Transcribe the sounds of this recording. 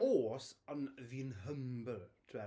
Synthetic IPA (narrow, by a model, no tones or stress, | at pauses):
oːsənviːənɦəmbətʰɛ